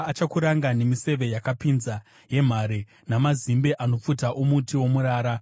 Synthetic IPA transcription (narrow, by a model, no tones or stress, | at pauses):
at͡ʃakuɾaŋɡane̞mise̞ʋe̞jakapinza | je̞m̤aɾe | namazimbeʔano̞p͡futaʔomutiwo̞muɾaːɾa